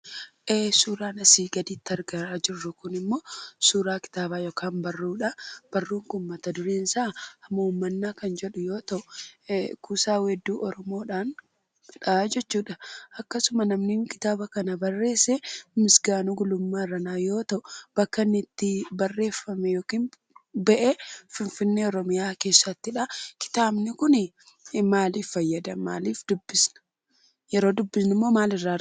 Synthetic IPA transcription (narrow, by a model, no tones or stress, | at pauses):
ʔeːsuːɾaːnɐsiːɡɐd̪iːt̪ːɐɾɡɐɾaːd͡ʒɪrːʊkʊnɪmːo̞ːsuːɾaːkɪ̥t̪aːbaːjoːkʰaːnbɐrːuːᶑɐb̥ɐrːuːŋkʊmːɐt̪ɐd̪ʊɾiːnsaːɐmːɐuːmːɐnːaːkɐnd͡ʒɛᶑʊjo̞ːt̪ɐʔʊ | kuːsaːwɛd̪ːuːʔɔɾɔmo̞ːᶑaːn | ᶑɐad͡ʒɛt͡ʃːuːᶑɐʔɐkːɐsʊmɐnɐmniːŋkɪ̥t̪aːbɐkɐnɐbɐrːe̞ːsɛmɪsɡaːnuɡʊlʊmːaːrɐnaːjo̞ːt̪ɐʔʊb̥ɐkːɐnːɪt̪ːɪbɐrːe̞ːfːɐmɛjo̞ːkiːn | bɛʔɛfɪnfɪnːeːɔɾɔmɪjaːke̞ːsːɐt̪ːɪᶑɐkɪ̥t̪aːbnɪkʊnɪ | maːliːfːɐjːɐd̪ɐma̰ːliːfd̪ʊbːɪsnɐ̥ | jɛɾo̞ːd̪ʊbːɪsnɪmːo̞ːmaːlɪrːaː